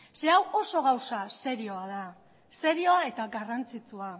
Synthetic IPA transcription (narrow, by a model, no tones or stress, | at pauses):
se̞awo̞so̞ɣawsase̞ɾio̞aða | se̞ɾio̞ae̞t̪aɡarant͡sit͡sua